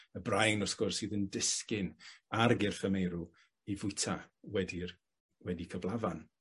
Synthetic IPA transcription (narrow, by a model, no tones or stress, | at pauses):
əbrajnɔsɡ̥ɔrsɨːðəndɪskɪnarɡɪrθəmejɾu | ivʊɨtʰawɛdir | wɛdikʰəvlˠavan